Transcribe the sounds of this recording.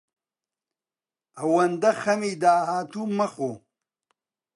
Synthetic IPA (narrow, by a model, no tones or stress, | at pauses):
ɐwɐnd̪ɐxɐmid̪aːɦaːt̪uːmɐxo